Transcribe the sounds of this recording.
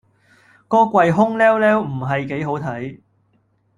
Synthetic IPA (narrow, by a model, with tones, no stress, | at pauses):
kɔː˥kʷɐ˧jɦʊ˥ŋlɛː˥wlɛː˥wm̩˨˩ɦɐ˨jke˨˥jɦo˨˥wt̪ʰɐ˨˥j